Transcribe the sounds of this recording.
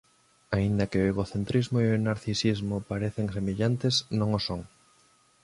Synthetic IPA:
aind̪ɐkɪoeɣoθent̪ɾizmoionaɾθisizmʊpaɾeθeŋsemeʎant̪esnõŋosoŋ

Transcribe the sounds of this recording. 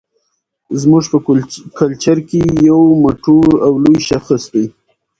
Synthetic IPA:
zmuʐpəkalt͡ʃaɾkejawmoʈoɾawlujʃaxəst̪aj

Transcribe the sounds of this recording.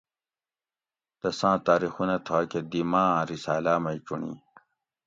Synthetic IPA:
d̪̥ɐsãːt̪aːɾixunat̪ʰaked̪imãːɾisaːlaːmɐjʈ͡ʂuɳḭ

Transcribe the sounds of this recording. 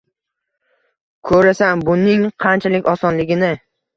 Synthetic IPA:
kʰɵɾasambʊnɪŋqʰɑnt͡ʃʰalɪkʲɒsɒnlɪɡʲɪnɪ

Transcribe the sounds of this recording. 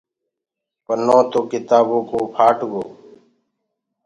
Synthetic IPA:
pənõːt̪oːkɪt̪aːbõːkoːpʰaːʈɡoː

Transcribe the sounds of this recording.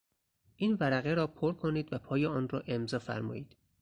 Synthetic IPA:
ʔiːnvæɾæɣeɾɒːpʰoɾkʰoniːd̪væpʰɒːjeɒːnrɒːʔe̞mzɒːfæ̰ɾmɒ̰ːjiːd̪̥

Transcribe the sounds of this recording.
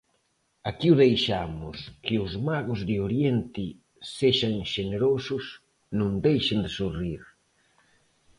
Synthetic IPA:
akiwðejʃamʊskɪʊzmaɣʊzðɪoɾjent̪ɪ | seʃaŋʃeneɾosʊs | nũŋd̪ejʃɪnd̪ɪsuriɾ

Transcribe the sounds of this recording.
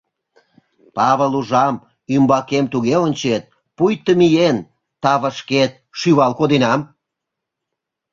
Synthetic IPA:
pɑβəluʒɑm | ymbɑkemt̪uɣeonʲt͡ɕet̪̚ | pujt̪əmijen | t̪ɑβə̆ʃket̪̚ʃyβɑlkod̪enɑm

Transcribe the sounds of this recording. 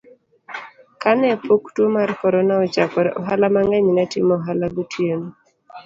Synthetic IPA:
kanɛpoktwomarkɔɾɔnaɔt͡ʃakɔɾɛʔɔɦalamaŋɛɲnɛtɪmɔɦalaɡutʰjeno

